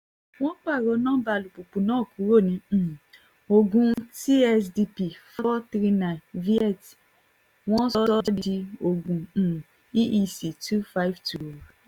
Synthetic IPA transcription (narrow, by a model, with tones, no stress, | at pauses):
w̃ɔ̃˦k͡pa˦˨ɾɔ˧˦nãː˦ba˧˨lu˨k͡pu˨k͡pũ˨˦nãː˦˨ku˨˦ɾo˦˨nĩ˧˨ | o˧ɡũ˧ti˦ɛ˧sdi˧pi˨fɔ˦tɾi˧na˨vi˦ɛ˦˨t | w̃ɔ̃˦ɔ˦ɔ˦ddi˧i˧o˨ɡũ˨ | i˦ʔi˧si˨tu˦fa˦i˦vtu˨o˨